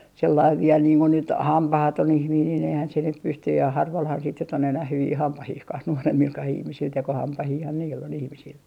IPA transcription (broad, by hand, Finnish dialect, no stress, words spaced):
selːɑiʋ ʋiel niːŋ ko nyt hɑmpɑhɑton ihmiːn nin ehæn se nyp pystyj jɑ hɑrʋɑlhɑn sit nyt on enæh hyʋiː hɑmpɑhihkɑh nuoremːilkɑh ihmisil tekohɑmpɑhiːhɑn niːlː on ihmisil